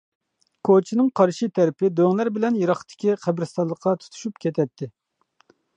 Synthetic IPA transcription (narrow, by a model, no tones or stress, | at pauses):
kʰot͡ʃʰinɨŋqʰɑɾʃit̪ʰɛɾɪpɪd̪øŋlæɾbɪlɛnjiɾɑχt̪ʰɪ̥kʲiqʰæbɾɪst̪ɑlˠəqʰːɑt̪ʰu̥t̪ʰu̥ʃupkʲɛt̪ʰɛt̪ʰːɪ